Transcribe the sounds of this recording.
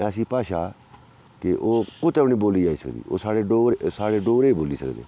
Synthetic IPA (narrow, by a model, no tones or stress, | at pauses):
ɛsĩːpaːʃaː | kɪʔoːkʊt̪ɛʋɳiːboːliːaːiːsəkd̪ḭːo̰ːsaːɽeːɖoːɾsaːɽeːɖoːɾeːiːboːliːsəkd̪ḛː